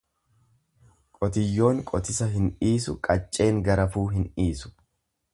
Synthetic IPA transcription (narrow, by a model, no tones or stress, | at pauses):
kʼɔt̪ɪjːo̞ːŋkʼɔt̪ɪsɐɦɪniːsʊ̰kʼɐt͡ʃʼːe̞ːŋɡɐɾɐfuːɦɪniːsʊ̥